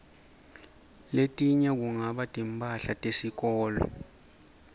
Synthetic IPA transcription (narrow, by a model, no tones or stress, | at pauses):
letʼiɲɛk̬uŋaɓatʼimpʼaɬatʼesik̬ɔːlɔ̰